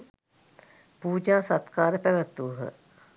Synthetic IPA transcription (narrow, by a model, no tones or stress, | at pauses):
puːd͡ʒaːsat̪kaːɾəpæʋət̪ːuɦə̰